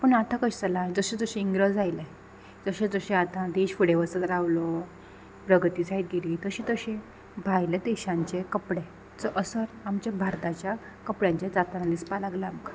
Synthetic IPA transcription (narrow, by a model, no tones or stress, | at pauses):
pəɳat̪ʰãkəɕt͡salaɽ̃id͡zəɕed͡zəɕĩiŋɡɾəd͡zajle | d͡zəɕẽd͡zəɕẽat̪ʰãd̪eɕfuɽeʋəsət̪əɾaʋlo | pɾəɡʱt̪iːt͡sait̪̚ɡʱeɾiːt̪əɕĩt̪əɕe | bʱajlad̪eɕãɲt͡ɕekəpɽe | t͡səʔəsəɾamt͡ɕjabʱaɾt̪at͡ɕja | kəpɽjãɲt͡ɕjad͡zat̪anad̪ispalaɡləamka